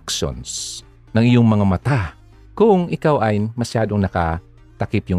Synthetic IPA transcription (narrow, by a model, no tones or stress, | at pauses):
kʃo̰ns | nɐŋɪjoŋmɐŋamɐt̪a | kʊŋʔɪkawʔɐjmɐʃjaːd̪oŋnɐka | t̪ɐkɪpjʊŋ